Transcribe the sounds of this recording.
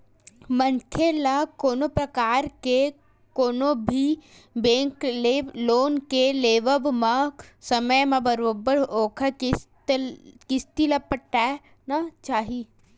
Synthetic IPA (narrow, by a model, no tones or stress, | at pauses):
mɐ̃ŋkʰelakoːnopɾɐkaːɾke | koːnobʱi | bẽːŋkleloːnkeleːʋəʋmãsɐməjmãbɐɾoːbəɾoːkʰa | kɪst̪ilɐpːəʈːa | nat͡ʃaːɦi